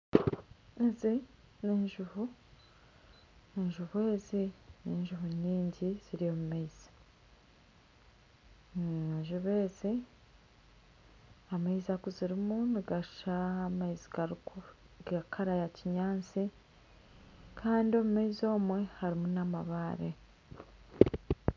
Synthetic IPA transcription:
ezi | niːnʒuvu | iɲʒuβwe̞ːziniːnʒuvuɲiːɲɟiz̥iɾijo̞mumeiz̥ḁ | eɲʒuβe̞ːzi | amaizakuziɾimuniɡaʃaːmaiziɡaɾ | ɡakʰaɾajaciɲaːnt͡si | kʰaːndio̞mumeizo̞ːmwe̞haɾimunama̰βaːɾḛ

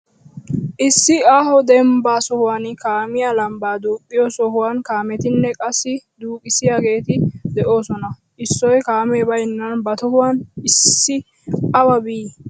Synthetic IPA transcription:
ʔɪsːɪaːhɔd̪ɛmbaːsɔhʊwaːnkaːmɪjalɐmbaːd̪uːpʼːɪjɔsɔhʊwaːnkaːmɛt̪ɪnːɛkʼɐsːɪd̪uːkʼɪsɪjaːɡe̞ːt̪ɪd̪ɛʔo̞ːsɔnɐ | ʔɪsːɔjkaːmeːbɐjnːɐnbɐt̪ɔhʊwanɪsːɪ | ɐwɐbiː

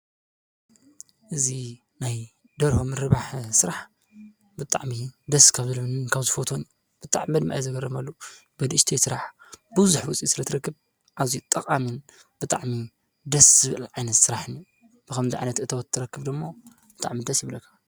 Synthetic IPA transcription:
ʔɨzi | naj | d̪ɐɾhomɨɾɨβaħsɨɾaħ | bɨt̪ʼa̰ʕmid̪ɐskʰaβzɨlɐβɨnɨnkʰaβzɨfot̪ʰoniju | b̥ɨt̪ʼa̰ʕmimɐd̪miʔa̰jzɐɡɐrɐmalːo | bɐd̪ɨʃt̪ʰijsɨɾaħ | bɨzuħwʊt͡sʼisɨɾɐt̪ʰɨɾɐkːɨβ | ʔazit̪ʼɐkʼamɨn | b̥ɨt̪ʼaʕmi | d̪ɐsz̥ɨβɨlʕajnɐt̪sɨɾaħɨniu | b̥ɨkʰɐmziʕa̰jnɐt̪ʔɨt̪ʰɐwɔt̪ʰːɨɾɐkːɨβd̪ɨmːo | bɨt̪ʼa̰ʕmid̪ɐsjɪβlɐkʰːḁ

